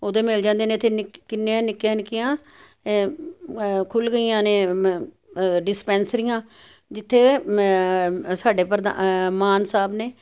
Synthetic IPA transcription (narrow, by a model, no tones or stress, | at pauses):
oːd̪eːmɪld͡ʒãːnd̪eːnẽːt̪ʰeːnɪkkːɪnːãːnɪkjãːnɪkɪjãː | kʰʊlɡəijãːneː | ɖɪspɛ̃ːnsɾijãː | d͡ʒɪt̪ʰːeː | saːɖeːpəɾd̪amaːnsaːbneː